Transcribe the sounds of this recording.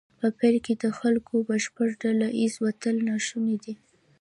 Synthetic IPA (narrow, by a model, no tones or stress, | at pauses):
pəpelked̪əxalkʰobəʃpəʈɖalaʔizwat̪əlnɑʃuned̪i